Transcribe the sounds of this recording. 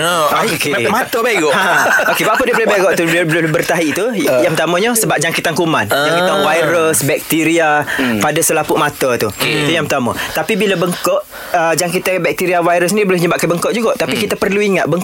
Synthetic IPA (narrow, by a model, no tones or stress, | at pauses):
kemat̪əbeɡɔʔãokebapədiəbolebeɡɔʔt̪ublobərt̪aɦiʔt̪ujaŋpət̪amə̃ɲəsəbap̚d͡ʒaŋkit̪ankumãnd͡ʒaŋkit̪awajɾəsbɛk̚t̪iɾiapadəsəlapuʔmat̪ət̪ut̪ujaŋpət̪amə̰t̪apibilabəŋkɔʔ | əd͡ʒaŋkit̪abɛk̚t̪iɾiawajɾəs̬nidiboleɲəbaʔ̚kanbəŋkɔʔ̚d͡ʒuɡaʔt̪apikit̪apərluiŋat̪̚bəŋ